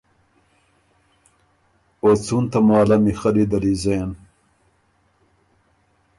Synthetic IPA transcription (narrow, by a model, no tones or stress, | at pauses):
ot͡sunt̪ɐmɑːlɐmixɐlid̪ɐɾizeːn